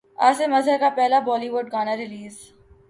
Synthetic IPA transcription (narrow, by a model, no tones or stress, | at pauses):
a̰ːsemɐzɦəɾkapɛɦlabɔːliʋʊɖɡaːnaɾɪliːz